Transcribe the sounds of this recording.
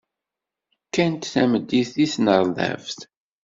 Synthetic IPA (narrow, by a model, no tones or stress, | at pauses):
kːænt̪θæməd̪ːiθisnəɾˤðæ̰vθ